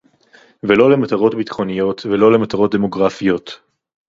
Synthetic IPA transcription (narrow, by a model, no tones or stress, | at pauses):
velo̞lemat̪aʁo̞tbit̪χo̞nijo̞t̪velo̞le̞mat̪aʁo̞t̚d̪emo̞ɡʁafijo̞t̪